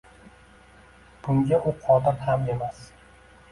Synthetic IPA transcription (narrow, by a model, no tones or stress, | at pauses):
b̥ʊŋɡʲaʔʊqʰɒd̪ɪɾhame̞mas